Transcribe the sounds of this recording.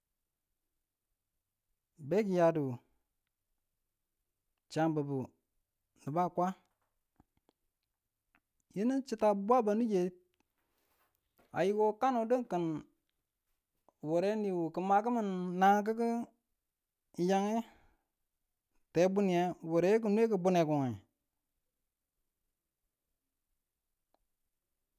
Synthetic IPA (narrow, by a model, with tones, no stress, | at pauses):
be˦ki˨ja˨du˨ | t͡ʃa˨nbə˨bu˨ | nə˨ba˦˨kʷa˦ | ji˦nə˦nt͡ʃi˦ta˨˦bwa˦ba˨nu˦je˨˦ | a̰˨ji˦ɡo˦ka˦no˨də˦ŋkə˨n | wo˨ɾe˦ni˨wu˨kə˨ma˨k̬ə˦mə˨nːa˨ŋ˦k̬ə˦k̬ə˦ | ja˦ŋe˦ | te˨˦bu˦ni˨a˨wo˨ɾe˨˦k̬u˦˨nu˦e˦k̬ə˨bu˦ne˨ku˨ŋe˨